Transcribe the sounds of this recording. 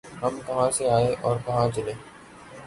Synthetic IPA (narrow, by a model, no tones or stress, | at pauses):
ɦəmkəɦãːseaːeʔɔːɾkəɦãːt͡ʃɪleː